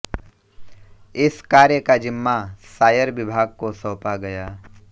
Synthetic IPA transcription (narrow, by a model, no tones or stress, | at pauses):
ɪskaːɾjəkad͡ʒɪmːasaːjəɾʋɪbʱaːɡ̚kosəːpaɡɐjaː